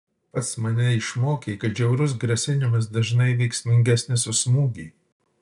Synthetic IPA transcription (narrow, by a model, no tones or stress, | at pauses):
pɐt̪smɐnʲɛɪʃmoːkʲeːkɐt̪d͡ʒʲɛʊɾʊs̬ɡɾɐsʲɪnʲɪmɐs̬d̪ɐʒnɐɪʋʲɛɪksʲmʲɪŋʲɡʲæsʲnʲɪsʊsmuːɡʲiː